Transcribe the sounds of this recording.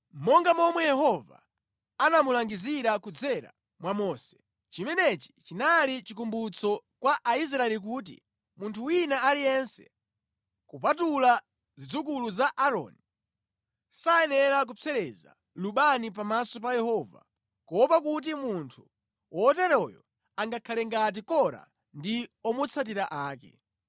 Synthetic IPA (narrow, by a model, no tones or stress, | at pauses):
mɔŋɡamɔmwɛjɛhɔva̰ | anamulaŋɡiziɾakud͡zɛɾa̰ | mwamɔːsɛ̥ | t͡ʃimɛnɛt͡ʃi̥t͡ʃinalit͡ʃikumbut͡sɔkwaʔais̬ɾaɛlik̬uːt̬ḭ | muntʰuwinaalijɛnsɛ̥̰ | kupatula | zid͡zuk̬uluzaʔaɾɔ̰ni | sajɛnɛɾak̬ut͡sʰɛɾɛza̰ | luɓanip̬amasɔpajɛhɔva̰ | kɔpakut̬imuntʰu̥ | wɔtɛɾɔjɔ̰ | aŋɡakʰalɛŋɡat̬ikɔɾa̰ | ndiɔmɔt͡sʰat̬iɾaʔaːkɛ̰